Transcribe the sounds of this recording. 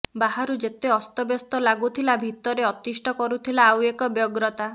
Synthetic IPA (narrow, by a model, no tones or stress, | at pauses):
baɦaɾud͡ʒet̪eɔst̪ɔbjɔst̪ɔlaɡut̪ʰilabʱit̪ɔɾeɔt̪isʈɔkɔɾut̪ʰilaːwekɔbjɔɡɾɔt̪a